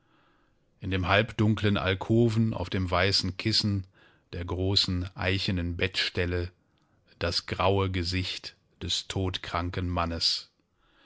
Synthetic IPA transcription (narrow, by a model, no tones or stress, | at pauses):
ʔɪndeːmɦalpd̥ʊŋklənʔa̰lkʰoːvn̩ʔa̰ʊfd̥eːmvaɪsn̩kʰɪsn̩ | d̥eːɐɡʁoːsn̩ʔa̰ɪçənənbɛtʃtɛlə | d̥asɡ̥ʁaʊəɡəzɪçt | d̥ɛstʰoːtkʁ̥aŋkənmanəs